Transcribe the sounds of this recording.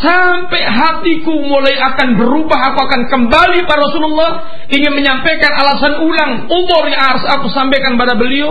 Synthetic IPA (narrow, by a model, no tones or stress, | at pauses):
sampɛɦat̪ikumolajakanbəɾubaɦakuakankəmbalipaɾɔsululːɑh | ʔiŋɪnməɲampekanalasanulaŋ | umʊrjaŋaɾʊsakusampekanpadabəlio